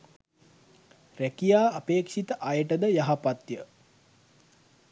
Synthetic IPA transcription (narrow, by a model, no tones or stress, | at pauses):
rækijaːpeːkʃit̪əʔajəʈəd̪əjaɦapat̪jə